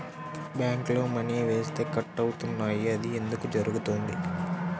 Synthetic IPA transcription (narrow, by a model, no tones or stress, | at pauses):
bjaːŋklo̞ːmɐniːʋe̞ːst̪e̞ːkɐʈːɐwut̪unːaːjiɐd̪ie̞nd̪ukud͡ʒɐɾuɡut̪o̞ːnd̪i